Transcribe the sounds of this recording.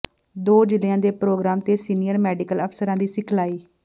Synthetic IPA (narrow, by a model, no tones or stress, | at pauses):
d̪oːd͡ʒɪlɪjãːd̪eːpɾoːɡɾaːmt̪eːsiːnɪjəɾmɛːɖɪkələpsəɾãːd̪iːsɪkʰlaːiː